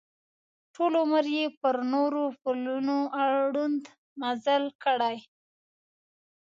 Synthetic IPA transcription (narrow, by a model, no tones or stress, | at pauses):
ʈʰolʊməɾjepəɾnoɾopʊlunoʔaɽund̪ | mazəlkəɽaj